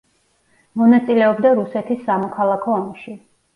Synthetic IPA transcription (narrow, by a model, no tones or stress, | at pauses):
mɔnat̪sʼilɛɔbd̪aɾusɛt̪ʰisːamɔkʰalˠakʰɔːmʃi